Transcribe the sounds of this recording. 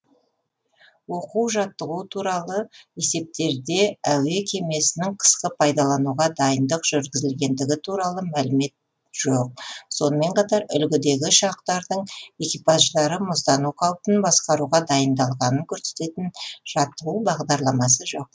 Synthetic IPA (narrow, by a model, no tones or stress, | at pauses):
woquwʒɑt̪ːəʁut̪ʰuɾɑlˠəe̞se̞p̚t̪e̞ɾd̪e̞æwe̞kʲʰe̞me̞sɪnɪŋqʰə̥sqəpʰɑjd̪ɑlˠɑnuʁɑd̪ɑjənd̪əqʒ̥ʏɾɡʲɪzɪlɡʲe̞nd̪ɪɡʲɪt̪ʰuɾɑlˠəmælɪme̞t̪̚ | ʒ̥o̞q̚so̞nəme̞ɴqʰɑt̪ɑɾʏ̰lɡʲɪd̪e̞ɡʲɪʃɑq̚t̪ɑɾd̪əɴe̞kʲipaʒd̪ɑɾəmʊsd̪ɑnuqʰɑwˠpənbɑsqɑɾuʁɑd̪ɑjənd̪ɑlˠʁɑnəŋkʲʰɵɾse̞̥t̪e̞t̪ɪnʒ̥ɑt̪ːəʁubɑʁd̪ɑɾlˠɑmɑsəʒo̞q̚